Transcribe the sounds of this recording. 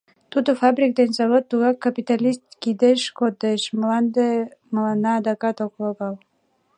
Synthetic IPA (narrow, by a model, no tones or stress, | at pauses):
t̪ud̪ofɑbrʲik̚d̪enzɑβot̪ːuɣɑkːɑpit̪ɑlʲist̪kid̪eʃkot̪eʃməlɑnd̪eməlɑnɑːd̪ɑkɑt̪okloɣɑl